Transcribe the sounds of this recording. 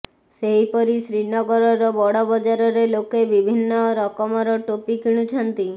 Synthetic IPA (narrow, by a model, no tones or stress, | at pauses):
seɦipɔɾisɾinɔɡɔɾɔɾɔbɔɽɔbɔd͡ʒaɾɔɾelokebibʱinːɔɾɔkɔmɔɾɔʈopikiɽ̃ut͡ʃʰɔnt̪i